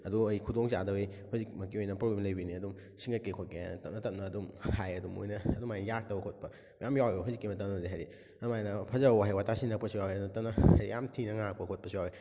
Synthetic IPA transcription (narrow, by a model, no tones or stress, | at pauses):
ɐduɐjkʰudoŋza̰dɐbejhɔzikmɐkiojnɐpɾoblemlɐjbiniɐdum | siŋɡɐkekʰotketɐp̚nɐtɐp̚nɐːdumhajɐdumo̰jnɐːdumajnɐjak̚tɐwɐkʰot̚pɐ | mɐjamjawebɐɦawzikːimɐtɐnɐdiɦajɾi | ɐdumajnɐpʰɐzawaɦajwatʰasiŋnɐk̚pɐsujawjɐdnɐtɐnɐhaijamtʰinɐŋak̚pɐkʰot̚pɐsujawe